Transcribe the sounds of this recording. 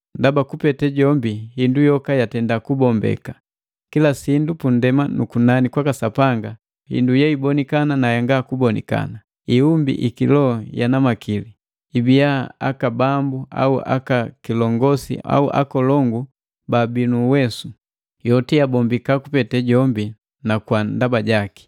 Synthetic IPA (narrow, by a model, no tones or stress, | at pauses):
ndabakupɛtɛɟɔmbihindujɔkajatɛndakubɔmbɛ̰ka | kilasindupundɛmanṵkunanikwakasapaŋɡa | hḭndujaibɔnikananajaŋɡakubɔnḭka̰na | iumbḭʔikilɔjanamakili | ibijaa̰kabambua̰uʔa̰kakilɔŋɡɔsḭa̰uʔa̰kɔlɔŋɡu | babinuwɛsu | jɔtiabɔmbikakupɛtɛɟɔmbi | nakwandabaɟaki̥